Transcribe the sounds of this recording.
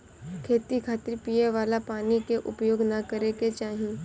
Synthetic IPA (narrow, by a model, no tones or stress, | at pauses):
kʰeːt̪ikʰaːt̪əɾpijeʋaːlapaːnikeʔʊ̰pjoːɡnakɐɾeket͡ʃaːɦĩ